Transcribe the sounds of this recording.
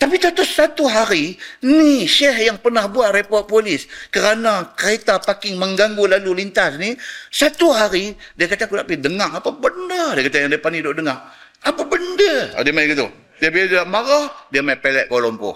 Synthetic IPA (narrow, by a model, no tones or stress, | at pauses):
t̪apit̪at̪ʊsːat̪uɦaɾiniʃɛhjaŋpərnahbuaʔ̪̚repɔt̪̚polɪskəɾanakəɾet̪apakɪŋməŋɡaŋɡulalulint̪asnisat̪uɦaɾidiakat̪akudaʔpidəŋaŋapabəndədiəkat̪ajaŋdiəpanidoʔdəŋaŋ | apabəndə̰diəmajɡit̪ṵ | diəbiladidaʔmaɾahdiəmaipelɛ̰ʔkolɔmpʊ̰h